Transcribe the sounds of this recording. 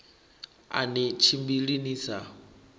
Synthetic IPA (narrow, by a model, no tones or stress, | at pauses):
a̰nit͡ʃʰimbiɺiniːsa